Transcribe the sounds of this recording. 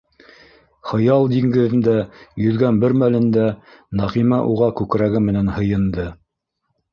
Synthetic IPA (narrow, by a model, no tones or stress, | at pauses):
χɤ̆jɑlˠd̪iŋɡɘ̆ðɘ̆nd̪æjɵ̆ðɡænbɘɾmælɘ̆nd̪ænɑʁimæʔuʁɑkʉkɾæɡɘmɘ̆nænhɤ̆jɤ̆nd̪ɤ